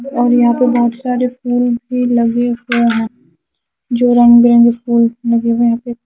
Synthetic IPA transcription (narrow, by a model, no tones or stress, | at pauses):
ɔːɾjɐɦãpebɔɦʊt̪saːɾefʰuːlbʱilɐɡeɦoɦɛ̃ | d͡ʒoːɾɐ̃ŋɡbɪɾɛ̃ːŋɡefʰuːlːɐɡeɦojɐɦãːpe